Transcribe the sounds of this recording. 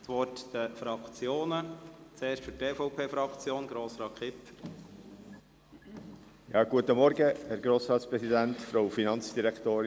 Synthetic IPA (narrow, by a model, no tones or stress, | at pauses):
t̪ʋɔɾtd̥əfɾɑkt͡sjoːnət͡seːɾʃtfyɾteːfɔʊpʰeːfɾɑkt͡sjoːnɡɾoːsɾɑːkχɪpː | jɑːɡ̥uət̪əmɔɾɡəhɛɾɡɾoːsɾɑːt̪spɾɛsidænt̪fɾoʊfinɑnt͡sd̪̥iɾɛkʰt̪oːɾɪ